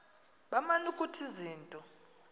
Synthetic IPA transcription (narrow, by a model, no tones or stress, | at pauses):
ɓamanukʼutʰiziːntʼɔ